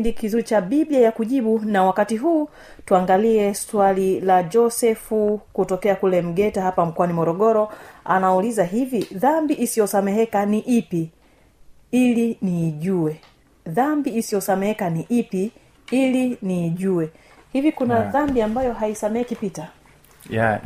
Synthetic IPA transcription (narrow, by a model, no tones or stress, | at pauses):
ndikizuit͡ʃaɓibiajakuʄiɓunawakatiɦuː | tuaŋɡaliɛswalilad͡ʒɔsɛfukutɔkɛakulɛm̩ɡɛtahapam̩kwanimɔɾɔɡɔɾɔa̰naulizaɦiviðambiʔisijɔsamɛɦɛkaniʔipi | iliniːʄuwɛ | ðambiːsijɔsamɛhɛkaniʔipi | iliniːʄuwɛ | hivikunaðambiambajɔɦaisamɛɛkipita